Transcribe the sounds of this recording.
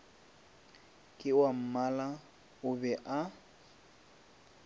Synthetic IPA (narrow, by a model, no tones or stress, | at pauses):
kʼɪwam̩mala | ʊbɛʔa